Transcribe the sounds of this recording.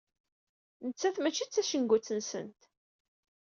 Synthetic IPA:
nət͡sːæθmæt͡ʃːit͡sːæʃəŋɡʷut͡sːənsə̰nt̪

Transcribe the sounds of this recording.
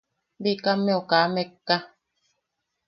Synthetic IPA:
bikamɛokaːmekːa

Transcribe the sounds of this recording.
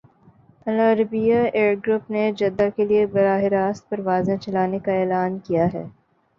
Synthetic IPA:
ɐləɾbijaeːɾɡɾʊpned͡ʒɐd̪ːakeliebɐɾaːɦɪɾaːst̪̚pɐɾʋaːzẽt͡ʃɐlaːnekaeːlaːnkijaɦɛ̰ː

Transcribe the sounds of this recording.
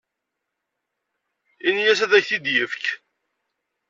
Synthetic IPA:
injæsæðæçθid̪jəfk

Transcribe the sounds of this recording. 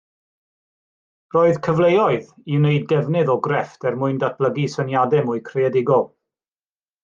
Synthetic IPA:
roːɨðkʰəvlejɔɨð | ineɨd̚ɡɛvnɨðɔɡrɛftɛrmʊɨndat̚ʰb̥lˠəɡisənjadɛmuɨkʰrɛɛdɪɡɔlˠ

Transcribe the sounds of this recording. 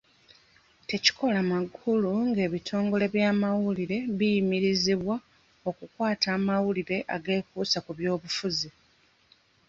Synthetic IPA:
te̞ci̥kʰo̞lamaɡuluŋɡe̞ːβitʰo̞ːŋɡo̞le̞βjaːmawuliɾe̞βijimiɾiziβwa | o̞kukwaːtaːmawuliɾe̞ʔaɡe̞ːkuːsakuβjo̞ːβufuzi

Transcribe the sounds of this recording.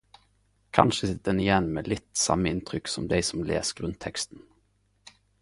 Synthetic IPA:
kʰɑ̰nʃəsɪt̪̚d̪ɛnɪjɛnːmeːlɪt̪sɑ̰məɪnt̪ʰʁʏksɔmd̪ɛɪsɔmlḛːsɡ̥ʁʉnt̪ʰɛkst̪n̩

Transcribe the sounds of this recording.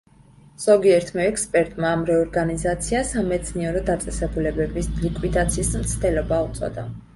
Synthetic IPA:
z̥ɔɡiɛɾt̪ʰmɛɛkspʼɛɾt̪ʼmaːmɾɛɔɾɡanizat̪sʰiasamɛt̪sʰniɛɾɔd̪at̪sʼɛsɛbulɛbɛbislikʼwid̪at̪sʰiːsmt̪sʰd̪ɛlɔbaut̪sʼɔ̰d̪a̰

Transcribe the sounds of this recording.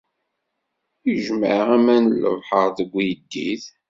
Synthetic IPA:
iʒməʁæmænələ̰vħəɾˤðəɡʷijəd̪ːiθ

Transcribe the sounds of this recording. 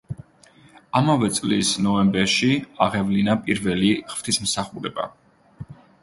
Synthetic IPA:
amavɛt̪sʼlisnɔɛmbɛɾʃiaʁɛvlinapʼiɾvɛliχv̥t̪ʰismsaχuɾɛba̰

